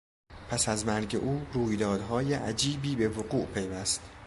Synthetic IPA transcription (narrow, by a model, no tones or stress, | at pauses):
pʰæsæzmæɾɟḛʔuːruːjd̪ɒːd̪ɦɒːjeʔæd͡ʒiːbiːbe̞voɡuːʔpʰe̞jvæst̪